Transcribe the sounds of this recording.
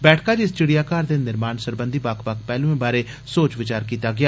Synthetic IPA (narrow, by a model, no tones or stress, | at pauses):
bɛːʈʰkaːd͡ʒɪst͡ʃɪɽijaːkaːɾd̪eːnɪɾmaːnsəɾbə̃nd̪ʱiːbakʰʋak̚ʰpɛːlũːẽːbaːɾeː | soːt͡ʃʋɪt͡ʃaːɾkiːt̪aːɡɪaː